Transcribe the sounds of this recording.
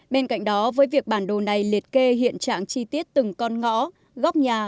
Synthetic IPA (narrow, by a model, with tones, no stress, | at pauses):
ɓe˧nka̰˧˨jŋ̟ɗɔ˨˦vəː˨˦jvi˨˩ək̚ɓaː˧˩nɗo˨˩na˨˩jli˨˩ət̚ke˧ɦḭ˧˨ənt͡ɕa̰ː˧˨ŋt͡ɕi˧t̪i˦˥ət̚t̪ɨ˨˩ŋkɔ˧nŋɔ̰˧˥ | ɣa˦˥wk͡p̚ɲaː˨˩